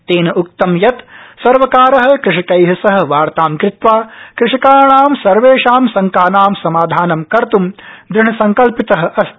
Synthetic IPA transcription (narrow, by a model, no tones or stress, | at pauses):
t̪eːnɐʔuk̚t̪ɐmjɐt̪sɐɾʋɐkaːɾɐɦɐ̆kɾɪʂikɐjɦɐsɐɦɐ̆ʋaːɾt̪aːmkɾɪt̪ʋaːkɾɪʂikaːɾɐɳaːmsɐɾʋeːʂaːmsɐŋkaːnaːmsɐmaːd̪ʱaːnɐmkɐɾt̪umd̪ɾɪɳɐsɐŋkɐlpit̪ɐɦɐ̆ʔɐs